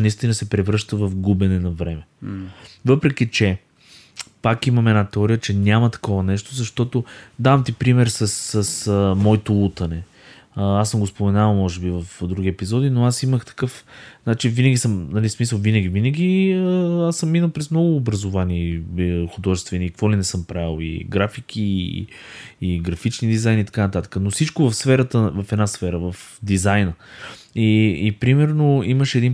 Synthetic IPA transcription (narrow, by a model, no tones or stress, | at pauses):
nɐist̪inɐsɛpɾɛvɾɤʃt̪əvɐfɡubɛnɛnɐvɾɛmɛ | vɤpɾɛk̟it͡ʃɛ | pakimɐmɛd̪nat̪ɛɔɾijət͡ʃɛnʲamɐt̪ɐ̥kɔvɐnɛʃt̪ozɐʃt̪ɔt̪od̪avɐmt̪ipɾimɛɾsɐssɐsəmɔit̪olˠut̪ɐnɛ | asəmɡospomɛnavlˠmɔʒɛbivɐfd̪ɾuɡ̟iɛpizɔd̪inoasiməxt̪ɐ̥kɤfat͡ʃivinɐɡʲisəmnɐlismis̬əlˠvinəɡʲivinəɡʲiəasːəmːinəlˠpɾɛzmnɔɡʊːbɾɐzʊvanixʊd̪ɔʒɛst̪vɛniːkkvɔlinɛsɤmpɾaɛlˠḭɡɾafik̟ʰi | ɡɾɐfit͡ʃnid̪izajnit̪ɐ̥kanət̪at̪ə̥kənosit͡ʃkovɐfsfɛɾət̪əvəfɛd̪nasfɛɾəvəfd̪izajnə | iːpɾimɛɾnoiməʃɛd̪in